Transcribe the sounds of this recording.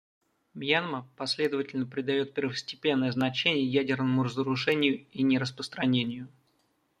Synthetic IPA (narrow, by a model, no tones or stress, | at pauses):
mjanməpɐsʲlʲe̞d̪əvətʲɪlʲnəpɾʲɪd̪ɐjo̞t̪̚pʲɪrvəsʲtʲɪ̥pʲe̞nːəjəznɐt͡ɕenʲɪjəjædʲɪrnəmʊɾəzəɾʊʂɛnʲɪjʊinʲɪɾəspɾəst̪ɾɐnʲenʲɪjʊ